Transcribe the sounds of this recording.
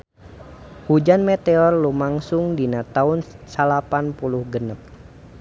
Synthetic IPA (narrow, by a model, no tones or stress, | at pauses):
hud͡ʒanmɛt̪eɔrlumaŋsuŋdinat̪aunsalapanpuluhɡənəp̚